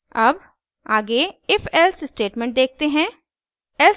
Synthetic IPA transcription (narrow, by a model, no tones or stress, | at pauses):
ɐb | aːɡeɪfɛlsɪsʈeːʈmɛ̃ɳʈ̚d̪eːk̚t̪eɦɛ̃ː | ɛl